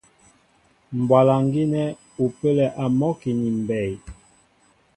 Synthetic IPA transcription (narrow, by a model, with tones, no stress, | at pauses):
m̩˨bwa˨la˨ŋ˦ɡi˦nɛ˦ | u˨pe˦lɛ˨ʔa˨mɔ˦ki˨ni˨m˨bɛ˨j